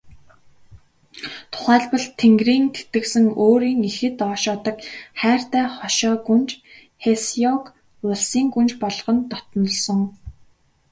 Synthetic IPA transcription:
t̪ʰʊ̥χæːɮpə̆ɮt̪ʰeŋɡriːnt̪ʰe̥t̪ɘ̆ksɘ̆ŋoːɾiːŋexɘ̆t̪ɔːʃɔːt̪ɞ̆kχæːr̥t̪æːχɔʃɔːɡunt͡ɕ | xesjɔk | ʊɮsiːŋɡunt͡ɕpɔɮɞ̆ʁɞ̆nt̪ɔt̪ɞ̆nɞ̆ɮsɞ̆ŋ

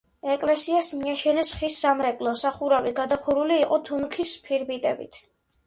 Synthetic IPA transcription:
ɛkʼlɛsiasmiaʃɛnɛsχisːamɾɛkʼlˠɔsaχuɾaviɡad̪aχuɾuliːqʼɔt̪ʰunkʰispʰiɾbit̪ʼɛ̰bḭt̪ʰ

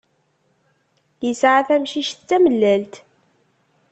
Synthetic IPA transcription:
jəsʕaθæmʃiʃt͡sːæməlːælt̪

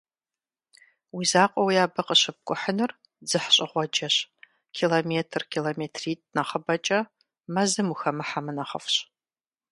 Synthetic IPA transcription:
wizaːqʷʼɔwijaːbɐqʼəɕɪp̚kʷʼʊħənɨr | d͡zɨħɕʼɪʁʷɔd͡ʒɐɕ | kʰiːlomeːtʰrkʰiːloːmeːtʰriːtʼnɐχəbɐt͡ʃʼɐ | mɐzɨmuxɐmɨħamɨnɐχə̰fɕ

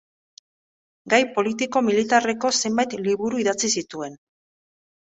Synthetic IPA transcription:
ɡajpo̞lit̪iko̞milit̪are̞ko̞se̞mbajt̪liβuɾuiðat͡sisit̪ue̞n

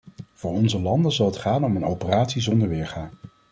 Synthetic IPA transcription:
v̥ʊːɹɔnzəlɑndəzɑlˠɦətχaːnɔmənowpəraːtsizɔndəɹʋɪːɹχaːn

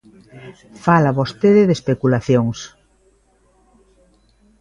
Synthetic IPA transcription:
falaβost̪eðɪðespekulaθjoŋs

